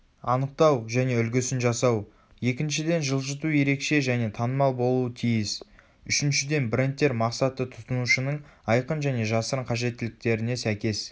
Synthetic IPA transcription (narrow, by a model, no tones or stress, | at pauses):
ɑ̰nəq̚t̪ɑwʒæne̞ʏlɡʲɪsɪnʒɑsɑw | je̞kʲɪnʃɪd̪e̞nʒəlˠʒət̪uje̞ɾe̞kʃe̞ʒæne̞t̪ʰɑnəmɑlˠbo̞lˠuət̪ʰijɪs | ʏʃɪnʃɪd̪e̞nbɪɾent̪ːe̞ɾmɑqsɑt̪ət̪ʰʊ̥t̪ənuʃənəɴɑjqənʒæne̞ʒɑsəɾəɴqʰɑʒe̞t̪ːɪlɪk̚t̪e̞ɾɪne̞sækʲe̞s